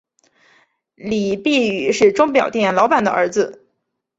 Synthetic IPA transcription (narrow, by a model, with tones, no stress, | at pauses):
li˨˩pi˥˩y˨˩ʂɻ̩˥˩ʈ͡ʂʊ˥ŋpjɑ˨˩ʊt̪jɛ˥˩nlɑ˧˥ʊpa˨˩nd̪ə̰˧ʔə̰˞˧˥d͡zɹ̩˧